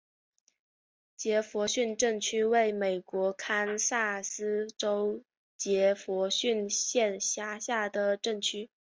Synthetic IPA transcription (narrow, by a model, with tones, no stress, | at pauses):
t͡ɕjɛ˧˥fwɔ˧˥ɕy˥˧nʈ͡ʂɤ˥˧ŋt͡ɕʰy˥we˥˩ɪme˨˩ɪkwɔ˧˥kʰa˥nsa˥˩sɹ̩˥ʈ͡ʂo˥ʊ | t͡ɕjɛ˧˥fwɔ˧˥ɕy˥˩nɕjɛ˥˧nɕja˥ɕja˥˩d̪ə˩ʈ͡ʂɤ˥˩ŋt͡ɕʰy˥